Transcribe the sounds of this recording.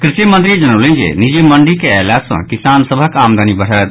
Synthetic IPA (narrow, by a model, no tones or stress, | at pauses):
kɾisjəmənt̪ɾid͡ʒənəwləd͡ʒḛnid͡ʒeməɳɖikeɛlat̪sə̰̃kisansəbʱəkamd̪ʱanibəɽ̤ət̪̚